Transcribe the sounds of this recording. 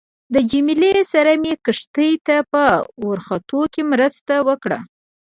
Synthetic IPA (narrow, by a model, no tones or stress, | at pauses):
d̪əd͡ʒimilesaɾamjekəʂt̪əjt̪apəwʊɾxat̪okemɾəst̪awəkɽa̰